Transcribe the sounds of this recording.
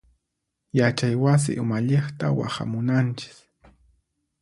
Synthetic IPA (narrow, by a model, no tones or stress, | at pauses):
jat͡ʃajwas̬ɪ̰ʔʊmaʎeχt̪awa̰χa̰mʊnant͡ʃɪ̥k